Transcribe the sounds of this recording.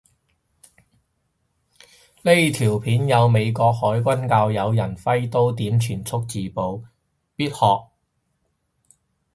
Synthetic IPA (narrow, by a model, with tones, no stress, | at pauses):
le˥jt̪ʰiː˨˩wpʰiː˨˥njɐ˨˧wme˨˧jkɔː˧k̚hɔː˨˥jkʷɐ˥nkaː˧wjɐ˨˧wjɐ˨˩nfɐ˥jt̪o˥wt̪iː˨˥mt͡ʃʰyː˨˩nt͡sʰʊ˥k̚t͡siː˨po˨˧w | piː˥t̚hɔː˨k̚